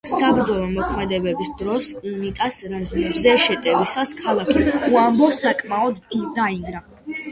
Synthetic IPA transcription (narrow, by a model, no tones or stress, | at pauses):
sabɾd̪zɔlˠɔmɔkʰmɛd̪ɛbɛbisd̪ɾɔsunit̪ʼasɾaznibzɛʃɛt̪ʼɛvisaskʰalˠakʰiuambɔsakʼmaɔd̪d̪aiŋɡɾa